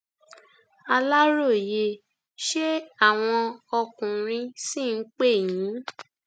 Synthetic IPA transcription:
a˧la˦ɾo˦˨je˧ | ʃe˦a˦˨w̃ɔ̃˧ɔ˧kũ˨ɾ̃ĩ˧sĩ˦˨n̩˦k͡pe˦˨jĩ˨˦

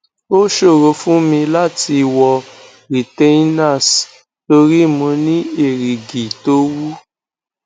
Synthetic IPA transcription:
o˦ʃo˦˨ɾo˧fũ˦mĩ˧la˦ti˧wɔ˧ | ɾi˨te˦na˦˨s | to˧ɾi˦˨mũ˧nĩ˦e˦˨ɾi˨ɡi˨to˨˦wu˦

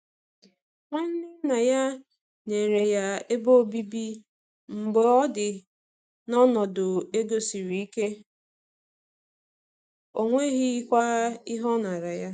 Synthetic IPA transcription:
ŋʷa˦n̩˦nɪ˦na˨ja˦ | ne˨ɾe˨ja˦e˦bo˦o˦bi˦bi˦ | m̩˨ɡ͡bɔ˨ɔ˦dɪ˨ | nɔ˦nɔ˨dʊ˨e˦ɡo˦si˨ɾi˨i˦ke˦ | o˨ŋʷe˦ɣi˦kʷa˦ɪ˦ɦɔ˦na˨ɾa˨ja˦

